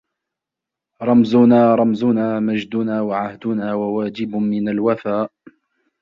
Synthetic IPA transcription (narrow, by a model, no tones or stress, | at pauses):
ɾˤɑmzʊnaːɾˤɑmzʊnaːmad͡ʒd̪ʊnaːwaʕahd̪ʊnaːwawaːd͡ʒɪbʊmɪnalwafaːʔ